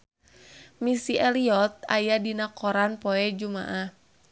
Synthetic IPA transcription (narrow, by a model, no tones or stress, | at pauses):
misiʔɛliɔt̪̚a̰jadinakɔɾanpɔɛd͡ʒuma̰ʔah